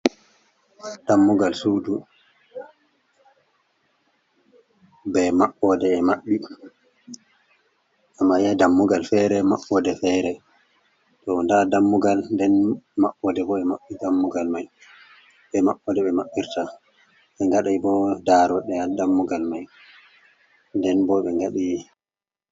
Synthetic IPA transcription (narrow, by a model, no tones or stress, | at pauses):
d̥amːuɡalsudu | bɛmaɓːɔdɛːmaɓːi | ʔamːajadamːuɡalfɛɾɛmaɓːɔdɛfɛɾɛ | tɔndadamːuɡalndɛnmaɓːɔdɛbɔɛmaɓːidamːuɡalmaj | ɓɛmaɓːɔdɛɓɛmaɓːiɾta | ɓɛŋɡaɗajbɔdaɾɔɗɛadamːuɡalmaj | ndɛnbɔɓɛŋɡaɗi